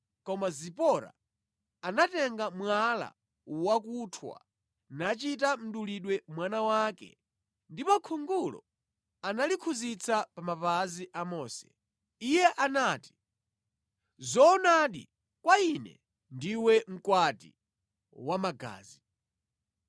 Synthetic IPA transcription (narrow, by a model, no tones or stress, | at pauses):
kɔmazipɔɾa̰ | anatɛŋɡamwala̰ | wak̬utʰwa̰ | nat͡ʃit̬am̩ɗuliɗwɛmwanawakɛ̰ | ndipɔkʰuŋɡulɔ̰ | analikʰuzit͡sʰapamapaziʔamɔːsɛ̥ | ijɛʔanaːti̥ | zɔnaɗḭ | kwainɛ̰ | ndiwɛm̩kwatḭ | wamaɡa̰ːzi